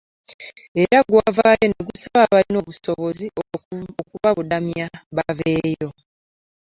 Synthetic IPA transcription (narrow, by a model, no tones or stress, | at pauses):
e̞ɾaɡwavaːjo̞neɡusaβaβaɾino̞ːβuso̞βo̞ziokuβaβudamjaβaveːjo̞